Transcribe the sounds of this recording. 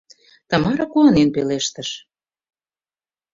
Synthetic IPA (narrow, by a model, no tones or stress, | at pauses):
t̪ɑmɑɾɑkuɑnenpeleʃt̪ə̆ʃ